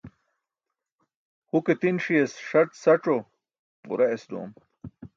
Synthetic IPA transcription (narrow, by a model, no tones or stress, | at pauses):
huket̪inʂiesʂɐʈsɐʈ͡ʂo | ṵɾɐesd̪o̰ːm